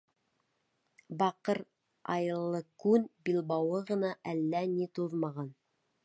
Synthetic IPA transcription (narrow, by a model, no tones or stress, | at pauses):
bɑqɤɾ | ɑ̰jɤ̆lˠːɤkʉnbilˠbɑwɤʁɤ̆nɑʔælːænit̪uðmɑʁɑn